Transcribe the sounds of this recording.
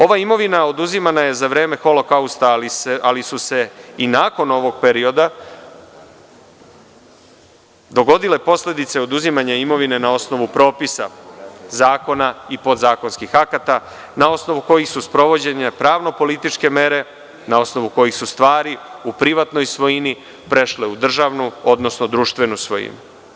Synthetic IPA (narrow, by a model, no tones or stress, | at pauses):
o̞ʋaimo̞ʋinao̞d̪uzimanaje̞zaʋɾe̞ːmexo̞lo̞kaust̪alialisuse̞inaːko̞no̞ʋo̞ɡ̥̚peɾio̞d̪a | d̪o̞ɡo̞d̪ile̞po̞sle̞d̪it̪se̞o̞d̪uzimaɲaimo̞ʋine̞nao̞sno̞ʋupɾo̞ːpisa̰zaːko̞naipo̞d̪zaːko̞nskixakat̪a | nao̞sno̞ʋuko̞jixsuspɾo̞ʋo̞d͡ʑe̞ɲapɾaːʋno̞po̞lit̪it͡ʃke̞me̞ɾe̞ | nao̞sno̞ʋuko̞jixsust̪ʋaːɾiupɾiʋat̪no̞jsʋo̞jini | pɾe̞ʃle̞ud̪r̩ʒaʋnuo̞d̪no̞snod̪ɾuːʃt̪ʋe̞nusʋo̞̰jḭnu